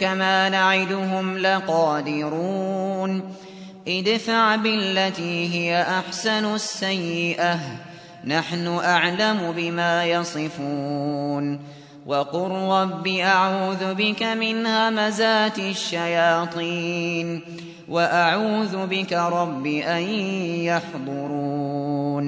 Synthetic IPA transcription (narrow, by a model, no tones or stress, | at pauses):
kamaːnaʕɪd̪ʊɦʊmlɪqɑːd̪ɪɾuːn | ʔɪd̪faʕbɪlːat̪iːɦɪjaʔaħsanʊsːajːɪʔa | naħnʊʔaʕlamʊbɪmaːjɑsˤɨfuːn | wʔɑqʊɾɾɑbːiːʔaʕuːðʊbɪkamɪnhaːmazaːt̪ʃːajɑːt̪ˤiːn | waʔaʕuːðʊbɪkaɾˤɑbːiʔajjɑħd̪ˤʊɾuːn